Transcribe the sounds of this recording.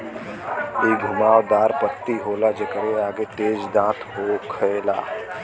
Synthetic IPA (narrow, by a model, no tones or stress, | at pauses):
iːɡʱʊmaːʋd̪aːɾpət̪ːiɦoːlad͡ʒekəɾeaːɡet̪eːd͡ʒd̪ãːt̪ʰɦokʰɐeːla̰ː